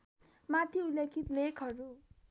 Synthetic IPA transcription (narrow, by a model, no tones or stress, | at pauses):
mat̪ʰiulekʰit̪lekɦʌɾu